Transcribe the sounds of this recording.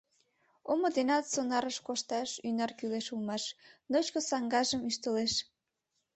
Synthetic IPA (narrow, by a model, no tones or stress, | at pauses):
omod̪enɑt̪sonɑɾəʃkoʃt̪ɑʃynɑrkyleʃulmɑʃnot͡ɕkosɑŋɡɑʒəmyʃt̪əleʃ